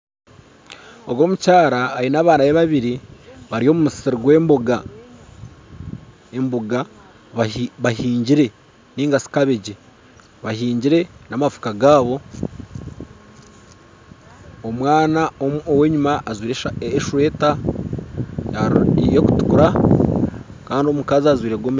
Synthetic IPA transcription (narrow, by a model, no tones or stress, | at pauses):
oɡwo̞ːmucaːɾaːɾinaːβaːnaβjeβaβiɾiβaɾio̞ːmumussiɾuɡweːmboɡa | emboɡa | βahiːɲɟiɾe̞ | niːŋɡasi̥kaβeɟe | βahiːɲɟiɾe̞namafu̥kaɡaːβo̞ | omwaːnaoowe̞ɲumaːzwiːɾeeʃuwe̞ːta | jajeku̥tu̥kuɾa | kaːndio̞mukaziazwiːɾeɡwom